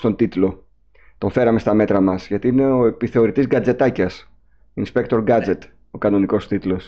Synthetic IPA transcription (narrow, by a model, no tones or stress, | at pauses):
st̪o̞nt̪it̪lo̞ | t̪o̞ɱfe̞ɾɐme̞st̪ɐme̞t̪ɾɐmɐsʝɐt̪iine̞o̞e̞piθe̞o̞ɾit̪izɡɐd͡ze̞t̪ɐcɐs | inspe̞k̚t̪o̞ɾɡɐd͡ze̞t̪ | o̞kɐno̞niko̞st̪it̪lo̞s